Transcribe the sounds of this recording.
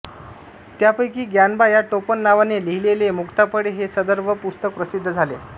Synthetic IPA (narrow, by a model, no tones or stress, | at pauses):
t̪japəjkiːɡjanbajaʈopənːaʋaneliɦilelemukt̪apəɽeɦesəd̪əɾʋəpust̪əkpɾəsid̪ʱːəd͡zʱalḛ